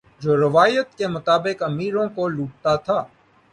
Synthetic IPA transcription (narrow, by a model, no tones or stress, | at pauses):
d͡ʒoːɾɐʋaːjət̪kemʊt̪aːbɪkɐmiːɾõkoluːʈ̚t̪at̪ʰaː